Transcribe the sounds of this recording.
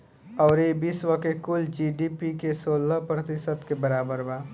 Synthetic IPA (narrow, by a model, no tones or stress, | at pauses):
ɔʊɾebisʋəkekuld͡ʒiɖipikesolːəpɾət̪isəd̪kebəɾabəɾba